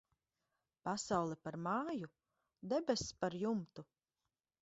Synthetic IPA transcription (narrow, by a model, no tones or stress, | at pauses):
pasawlˠɛpaɾmaːju | d̪ɛbʲɛspaɾjumt̪u